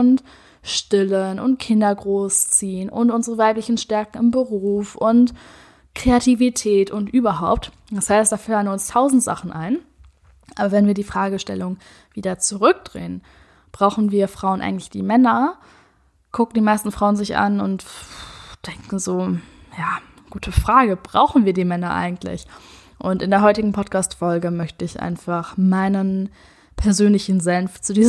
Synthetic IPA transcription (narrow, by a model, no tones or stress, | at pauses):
ʊnt | ʃtɪlənʔʊ̰nt̚kʰɪndɐɡʁoːst͡siːənʊ̰ntʔʊnzəʁəvaɪplɪçn̩ʃtɛɐkŋ̩ɪmbəʁuːfʊnt | kʁ̥eatʰivitʰɛːtʊntʔyːbɐɦaʊp̚t | d̥ashaɪst̚d̥aːfalənʊnstʰaʊzn̩tz̥a̰χn̩ʔa̰ɪn | ʔaːbɐvɛnviːɐdiːfʁ̥aːɡəʃtɛ̰lʊŋ | viːdɐt͡suʁʏk̚d̥ʁḛːən | b̥ʁaʊxn̩viːɐfʁ̥aʊənʔa̰ɪŋ̩tlɪ̥çd̥ḭːmɛnɐ | kʰʊkŋ̩diːmaɪstn̩fʁ̥aʊənzɪçʔa̰nʊ̰nt | d̥ɛŋkŋ̩zoː | jaː | ɡ̥uːtʰəfʁ̥aːɡəb̥ʁa̰ʊxn̩viːɐdiːmɛnɐʔa̰ɪɡŋ̩tʰlɪ̰ç | ʔʊntɪndeːɐɦɔʏtɪɡŋ̩pʰɔtkʰaːstfɔlɡəmœçtəɪçʔa̰ɪnfaχmaɪnən | pʰɛɐzøːnlɪçn̩zɛnft͡sudiːz